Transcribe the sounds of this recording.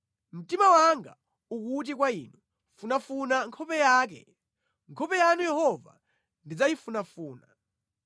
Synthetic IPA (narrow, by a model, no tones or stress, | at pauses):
m̩timawaŋɡa̰ | ukut̬ik̬waḭːnu | funafunaŋkʰɔpɛjaːk̬ɛ̰ | ŋkʰɔpɛjanujɛhɔva̰ | ndid͡zajifunafuːna